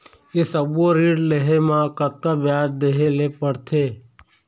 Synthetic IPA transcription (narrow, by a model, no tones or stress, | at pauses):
esəboɾiːɽleɦemãkət̪̚kabjaːd͡ʒd̪eɦelepəɽt̪ʰeː